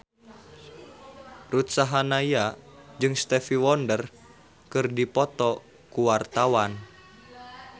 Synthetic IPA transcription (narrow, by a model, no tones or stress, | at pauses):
rut̪saɦanajad͡ʒɨŋst̪ɛfiwɔndər | kɨrdipɔt̪ɔ | kuwart̪awan